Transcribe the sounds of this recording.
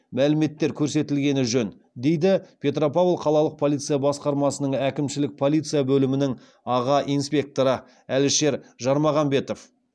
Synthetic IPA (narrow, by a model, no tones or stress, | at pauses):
mælɪme̞t̪ːe̞ɾkʲʰɵɾse̞t̪ɪlɡʲe̞nɪʒɵn | d̪e̞jd̪ɪpʲʰe̞t̪ro̞pavlˠqʰɑlˠɑlˠəq̚pʰo̞lʲˠijt̪sɨjabɑsqɑɾmɑsənəɴækʲɪmʃɪlɪk̚pʰo̞lˠijt̪sɨjabɵlɪmɪnɪŋ | ɑʁɑʔijnspʲe̞k̚t̪oɾə | ælɪʃe̞ɾʒɑɾmɑʁɑmbe̞t̪o̞f